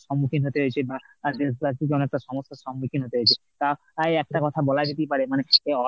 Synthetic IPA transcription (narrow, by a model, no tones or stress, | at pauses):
ʃɔmːukʰinɦot̪eɦoet͡ɕʰebad̪ebaik̬eɔnɛk̚ʈaʃɔmost̪oʃɔmːukʰinɦot̪eɦoet͡ɕʰe | k̪ao | ajɛk̚ʈakɔt̪ʰabɔlad͡ʑet̪ejpaɾemaneeɔ